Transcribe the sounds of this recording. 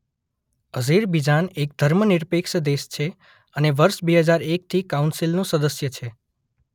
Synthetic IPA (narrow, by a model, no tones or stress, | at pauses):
əziɾbid͡ʒanek̚d̪ʱəɾməniɾpekʃəd̪eʃt͡ʃʰe | əneʋəɾʃbeɦəd͡ʒaɾek̚t̪ʰikaunsilnũsəd̪əsjət͡ʃʰe